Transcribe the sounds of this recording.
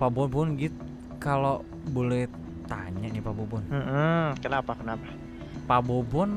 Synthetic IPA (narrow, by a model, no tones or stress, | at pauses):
pabɔnbunɡit̪ | kalo | bolɛh | t̪a̰ɲanipabobɔnmʔm̩kənapakənapḁ | pabobɔn